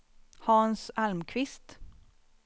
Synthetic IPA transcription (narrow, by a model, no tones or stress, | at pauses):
hɑːnsalmkʰvɪst̪